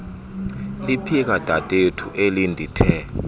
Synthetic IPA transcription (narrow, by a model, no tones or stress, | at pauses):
lipʰik̬ad̥ʼʱatʼetʰuʔelindʱitʰɛ